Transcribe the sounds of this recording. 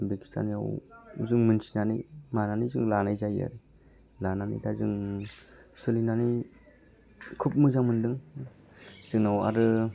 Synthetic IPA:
beki̥stʰa̰nija̰wuzɯŋmɯnsinanimananizɯŋlanajzaja̰ɾi | lananḭtʰazɯŋ | sɯlinani | kʰup̚mɯzaŋmɯndɯŋ | z̥ɯŋnawa̰ɾɯ

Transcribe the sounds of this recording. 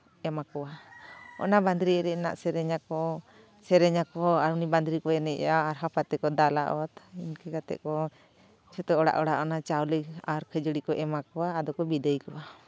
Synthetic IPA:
ɛmakɔwaɔ̰naband̪ɾiɾɛna̰ʔsɛɾɛɲakɔ | sɛɾɛɲakɔaɾuniband̪ɾikɔɛnɛʔjaːɾɦapat̪ɛkɔd̪ala̰ʔɔt̪inkɛkat̪ɛ̰ʔkɔ | t͡ʃʰɔt̪ɔɔɽa̰ʔɔɽa̰ʔɔnat͡ʃawləaɾkʰəd͡ʒəɽikɔʔɛmakɔwaːd̪ɔkɔbid̪əjkɔwa

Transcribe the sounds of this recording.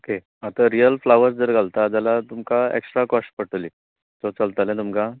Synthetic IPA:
oke | at̪aɾijəlflaʋəɾsd͡zəɾɡʱalt̪ad͡zalat̪umkaḛksʈɾakɔsʈpəʈəli | t̪ot͡səlt̪alẽt̪umka

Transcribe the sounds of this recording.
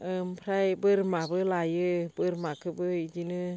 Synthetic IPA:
ɯmpʰɾajbɯɾmabɯlajɯbɯɾmakʰɯbɯid͡ʒinɯ

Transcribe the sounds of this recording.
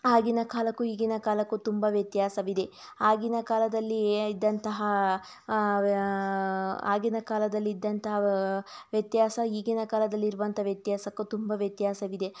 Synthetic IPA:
aːɡinɐkaːlɐkːuiːɡinɐkaːlɐkːut̪umbɐʋjɐt̪jaːsɐʋid̪e̞ | aːɡinɐkaːlɐd̪ɐlːiid̪ːɐnt̪ɐɦɐ | aːɡinɐkaːlɐd̪ɐlːiːd̪ːɐnt̪ɐɦɐʋjɐt̪jaːsɐiːɡinɐkaːlɐd̪ɐlːiːɾuʋɐnt̪ɐɦʋjɐt̪jaːsɐkːut̪umbɐʋjɐt̪jaːsɐʋid̪e̞

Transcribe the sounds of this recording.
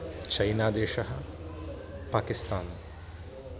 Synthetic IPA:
t͡ʃɐjnaːd̪eːʂɐɦɐ | paːkist̪aːnu

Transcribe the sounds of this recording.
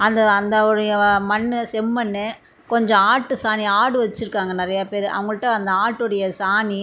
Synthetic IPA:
ɐnd̪ɐːnd̪ɐɔɽɐjɐmɐnːɯsɛmːɐnːe | kɔɲd͡ʒɔ̃aːʈːɯsaːniaːɽɯʋɐt͡ʃːɯɾɯkːaːŋɡɐnɪɾɐjapeːɾɯʔɐ̰ʋɐŋɡɐɭɯʈːɐɐnd̪ɐaːʈːɯɽɐjɐsaːni

